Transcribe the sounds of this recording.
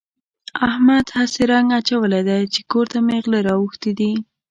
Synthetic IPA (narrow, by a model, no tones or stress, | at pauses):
ahmad̪haseɾaŋɡat͡ʃawəlad̪ajt͡ʃekoɾt̪ameɣlaɾɑwuxt̪id̪i